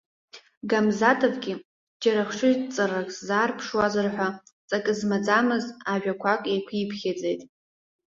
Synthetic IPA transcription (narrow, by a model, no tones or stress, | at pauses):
ɡamzatʰʼɨvɡʲi | d͡ʒaɾaχʂɪt͡sʼarakʼszaːrpʰʂwazarħʷat͡sʼakʼɨzmad͡zamɨzaʒᶣakʷʰakʼejkʷʰipʰχʲad͡ze̞jtʼ